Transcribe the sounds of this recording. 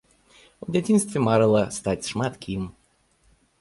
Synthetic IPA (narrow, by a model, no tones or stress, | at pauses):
odʲɛtʲinst̪vʲemaɾəlˠəst̪atʲʂmat̪kʰʲim